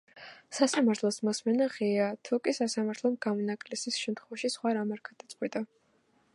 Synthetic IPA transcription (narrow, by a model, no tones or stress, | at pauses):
sasamaɾt̪ʰlˠɔsmɔsmɛnaʁiat̪ʰukʼisasamaɾt̪ʰlˠɔmɡ̥amɔnakʼlisisʃɛmt̪ʰχwɔvaʃisχwaɾamɛɾɡad̪̥at̪sʼqʼwit̪ʼa